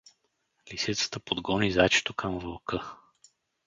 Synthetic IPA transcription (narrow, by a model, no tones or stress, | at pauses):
lisit̪sə̥t̪əpod̪ɡɔnizat͡ʃɛ̥t̪okʰəmvɐlˠkɤ